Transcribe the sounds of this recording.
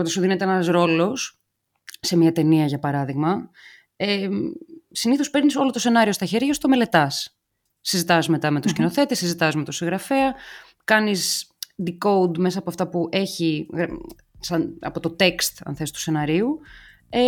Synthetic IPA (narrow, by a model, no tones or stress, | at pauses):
ot̪ɐsuðinet̪eeenɐzɾo̞lo̞s | se̞miɐt̪e̞niɐʝɐpɐɾɐðiɣmɐ | e | siniθospe̞ɾniso̞lo̞t̪o̞se̞nɐɾio̞st̪ɐçe̞ɾʝɐst̪o̞me̞le̞t̪ɐsː | izit̪ɐzme̞t̪ɐme̞t̪uscino̞θe̞t̪esizit̪ɐzmet̪osiŋɣɾɐfe̞ɐ | kɐnisd̪iko̞ud̪me̞s̬ɐːpoɐft̪ɐpuʔe̞çiɣɾ | sɐnɐ̰po̞t̪o̞t̪e̞kst̪ɐ̰nθe̞si̥t̪u̥se̞nɐɾiu | e